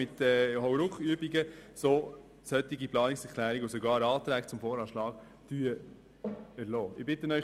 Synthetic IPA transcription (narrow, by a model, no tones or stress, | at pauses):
ɪt̪ɛːhɔwɾʊkχyəbiɡəsoː | sœt̪iɡiplɑːnɪksɛkʰlæːɾiɡos̬ɔɡɑːɾɑːt̪ɾæːkt͡sʊmfɔːɾɑːʃlɑːk | d̥yːə | ɛɾlɔːɪbɪt̪ənœʏ